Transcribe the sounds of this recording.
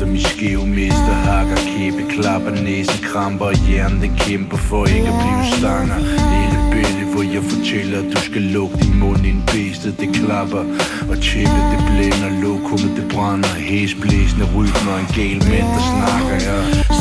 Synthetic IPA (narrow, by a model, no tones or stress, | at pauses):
ɒmisɡ̥eʊmesd̥ɐhɑ̈ɡ̥ɐkʰeb̥əkʰlɑb̥ɐnesd̥əkʰʁɑmb̥ɐːjæɐnd̥ekʰemb̥ɐfɒe̝ɡ̥æb̥liːʊsd̥ɑŋɐeləb̥eləʋɒjɑ̈ɪfɒ̽t͡sʰel̰ɐæ̥usɡ̥ælɔ̽ɡ̥əd̥imɔn̰inb̥esd̥əd̥ekʰlɑb̥ɐ | ɒ̽t͡sʰeɡ̥ɐd̪̥eb̥lenɐlɔkʰuməd̥eb̥ʁɑnɐhesb̥lesnəʁyd̥mɒenɡ̥ɛ̰ːlmed̥ɐsnɑ̈ɡ̥ɐjɑ